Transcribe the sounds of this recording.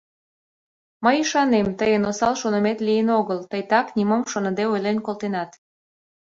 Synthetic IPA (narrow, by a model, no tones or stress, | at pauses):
məjiʃɑnemt̪əjənosɑlʃonəmet̪lijənoɣəlt̪əjt̪ɑknʲimomʃonə̆d̪eojlenʲkolt̪enɑt̪